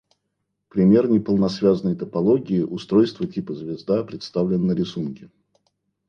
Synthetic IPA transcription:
pɾʲɪmʲe̞rnʲɪpəlˠnɐsvʲaznəjt̪əpɐlˠoɡʲɪɪʔʊst̪ɾo̞jst̪vətʲipəzvʲɪzd̪apɾʲɪt̪st̪avlʲɪnːəɾʲɪsunkʲɪ

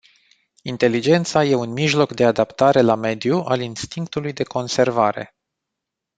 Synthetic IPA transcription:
int̪e̞lid͡ʒe̞nt̪saje̞unmiʒlo̞kd̪e̞ad̪apt̪aɾe̞lame̞d̪juʔalinst̪iŋkt̪ulujd̪e̞ko̞nse̞rvaɾe̞̰

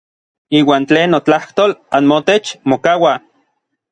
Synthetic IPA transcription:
iːwaːnt͡ɬeːnːot͡ɬaht̪oːlanmot̪et͡ʃmokawa

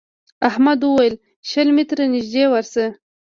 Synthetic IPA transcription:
ahmad̪wəwajəl | ʃəlmit̪ɾanɪʒd̪ewaɾsə

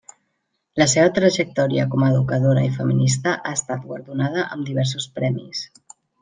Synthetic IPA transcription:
ləseβət̪ɾəʒək̚t̪ɔɾiə̰kɔməːðukəðoɾəifəminis̬t̪əʔaəst̪at̪̚ɡwaɾðunað̞əʔəmd̪iβ̞ɛɾs̬uspɾɛmḭs

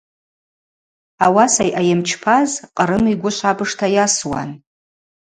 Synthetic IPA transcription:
awasajʔajɪmt͡ʃʰpʰazqʼəɾɨmiɡʷʊʃʷabɨʂtʰajaswa̰n

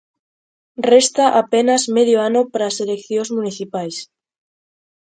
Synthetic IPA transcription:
rest̪aʔapenazmeðjoanopaɾaːselekθjõzmũniθipajs

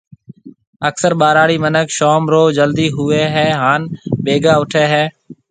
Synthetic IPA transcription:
əksəɾɓaːɾaːɽiːmənəkʃoːmɾoːd͡ʒəld̪iːɦʊeːɦɛːɦaːnɓeːɡaːʊʈʰeːɦɛː

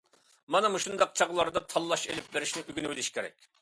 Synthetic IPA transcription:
mɑnɨmuʃund̪ɑq̚t͡ʃʰɑʁlˠɑɾd̪ɑt̪ʰɑlˠːɑʃelɪp̚beɾɪʃnɪʔyɡʲinɪwɪlɪʃkʲʰeɾɛ̰kʲ

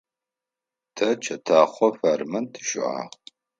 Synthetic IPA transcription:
tʰɐt͡ʃʰɐtʰaːχʷɔɸarmɐntʰɨ̥ʃʊ̰ʕa̰

